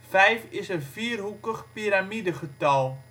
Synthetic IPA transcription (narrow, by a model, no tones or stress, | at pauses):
fɛjfɪsənfiːrɦukəχpiɾamidəχətɑlˠ